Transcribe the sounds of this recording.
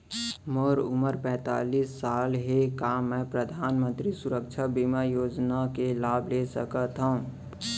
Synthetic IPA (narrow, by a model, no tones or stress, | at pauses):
moːɾʊ̰məɾpɛ̃ːt̪a̰ːliːsːaːlɦekamɛ̃pɾəd̪ʱaːnmə̃nt̪ɾisʊɾəkt͡ʃʰabimajoːd͡ʒnakelaːblesə̰kət̪ɦoũ